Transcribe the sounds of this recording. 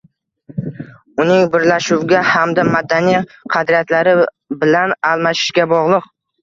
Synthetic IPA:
ʊnɪŋbɪɾlaʃʊwɡʲahamd̪amad̪anijqʰɑd̪ɾijat̪laɾɪ | bɪlanalˠmaʃɪ̥ʃɡʲabɒʁlˠɨq̚

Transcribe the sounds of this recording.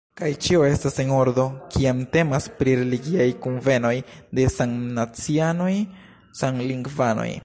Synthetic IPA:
kajt͡ʃio̞e̞stase̞no̞ɾdo̞kiamte̞maspɾiɾe̞liɡiajkunve̞no̞jde̞saŋnat͡siano̞j | saŋliŋɡvano̰j

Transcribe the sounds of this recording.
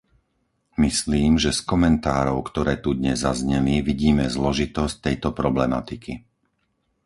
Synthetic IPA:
misliːmʒɛskɔmɛnt̪aːɾɔʊkt̪ɔɾɛːt̪ud̪ɲɛzːazɲɛliʋiɟiːmɛzlɔʒit̪ɔsc̚t̪ɛjt̪ɔpɾɔblɛmat̪ikʰi

